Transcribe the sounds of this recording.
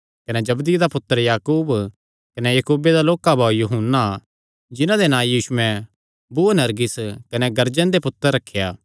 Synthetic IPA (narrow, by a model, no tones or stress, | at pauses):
kɐned͡ʒɐbd̪id̪apʊt̪ːəɾjaːkuːb | kɐnejɐkuːbed̪aloːkabʱaːjuɦunːa | d͡ʒɪnãd̪enãːjiːʃʊɛ̃ | bunɐɾɡɪskɐnɛɡɐɾd͡ʒə̃nd̪epʊt̪ːəɾːɐkʰːjaː